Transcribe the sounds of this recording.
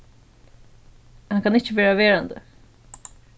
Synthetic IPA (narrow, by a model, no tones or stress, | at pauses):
hankʰanɪt͡ʃɪʋeːɹaʋeːɹand̪ə̰